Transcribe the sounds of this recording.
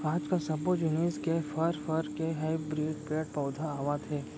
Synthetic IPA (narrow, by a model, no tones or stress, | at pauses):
aːd͡ʒkasɐbod͡ʒʊneːskefʰɐɾfɐɾkeɦaɪbɾiːɡpeːʈ̚pɔːd̪ʱaaːʋaːt̪ʰeː